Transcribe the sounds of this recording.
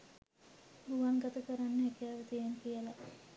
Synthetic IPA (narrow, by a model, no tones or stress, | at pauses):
buʋaŋɡat̪əkəɾanːəekijaːʋət̪ijeŋkijəla